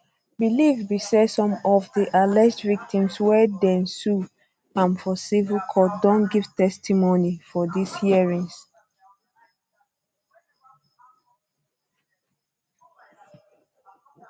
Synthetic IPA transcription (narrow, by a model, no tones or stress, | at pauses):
bilivbisɛsɔ̃mɔvdiʔalɛsdvik̚tʰĩmswɛdɛ̃nsu | ãnfɔsivəlkʰɔt̚dɔ̃nɡiv̥tɛstimonifɔdishiəɹĩŋs